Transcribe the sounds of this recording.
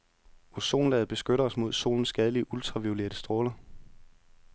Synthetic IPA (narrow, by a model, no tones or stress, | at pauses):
ɒso̝̰ːnlɛ̰ːð̩ˠb̥e̝sɡ̥øɾɐɒ̽smo̝ð̞ˠso̝̰ːln̩sːɡ̥æð̞ˠliəʔult͡sʰʁɑ̈ʋiule̝̰ɐd̥əsd̥ʁoːlɐ